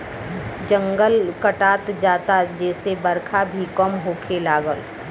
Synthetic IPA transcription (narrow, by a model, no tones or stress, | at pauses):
d͡ʒə̃ŋɡəlkəʈaːt̪d͡ʒaːt̪ad͡ʒɛːsebəɾkʰabʱikəmɦoːkʰelaːɡəl